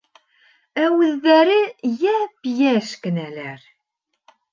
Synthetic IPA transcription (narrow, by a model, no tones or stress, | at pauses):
æwəðːæɾijæpjæʃkənælæɾ